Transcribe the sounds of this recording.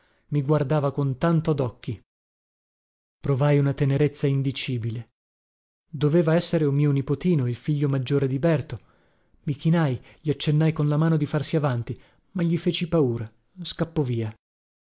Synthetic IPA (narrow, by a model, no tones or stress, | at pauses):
miɡward̪aːvakont̪ant̪od̪ɔkːi | pɾovajunat̪eneɾet̪sːaind̪it͡ʃiːbile | d̪oveːvaɛsːeɾeumiːonipot̪iːnoilfiʎːomad͡ʒːoːɾed̪ibɛrt̪o | mikinajʎiat͡ʃːenːajkonlamaːnod̪ifarsiavant̪i | maʎːifeːt͡ʃipauːɾa | skapːɔviːa